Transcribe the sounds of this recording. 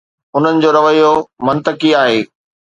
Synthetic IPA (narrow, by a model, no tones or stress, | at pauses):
ʊn̤ənɪ̆d͡ʑoːɾɐʋəijomɐ̃nt̪əkiaːɦeː